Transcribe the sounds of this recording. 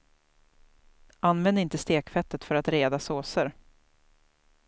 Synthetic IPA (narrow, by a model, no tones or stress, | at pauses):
ʔanvɛnd̪ɪnt̪əst̪eːkfɛt̪ːət̪fœɾat̪ɾeːd̪asoːsəɾ